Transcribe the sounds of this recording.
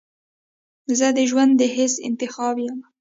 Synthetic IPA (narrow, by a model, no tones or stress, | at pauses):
zəd̪əʒwand̪ːəɦɪsɪ̰nt̪ɪxɑbjam